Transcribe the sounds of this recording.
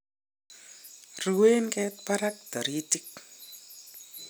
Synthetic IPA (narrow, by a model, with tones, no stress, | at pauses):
ru˨we˦nkʼɛt̪̚pa˦ɾak̚d̪̥ɔ˨ɾi˦tik̚